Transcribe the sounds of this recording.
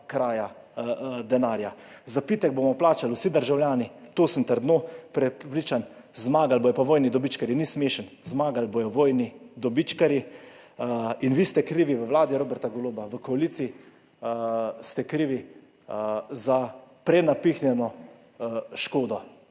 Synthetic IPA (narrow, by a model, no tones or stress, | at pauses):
kɾaːja | d̪ɛnaːɾjazapiːt̪ɛɡ̚bomɔplaːt͡ʃaluwsid̪əɾʒawljaːnit̪oːsəmt̪əɾd̪noːpɾɛpɾiːt͡ʃanzmaːɡalbojɔpaʋoːjnid̪ɔbit͡ʃkaɾjinismeːʃənzmaːɡalbojɔʋoːjnid̪ɔbit͡ʃkaɾji | inʋiːst̪ɛkɾiːʋiʋəwlaːd̪iɾoːbɛɾt̪aɡɔloːbaʋəkɔaliːt̪sii | st̪ɛkɾiːʋi | zapɾɛnapixnjɛnɔ | ʃkoːd̪ɔ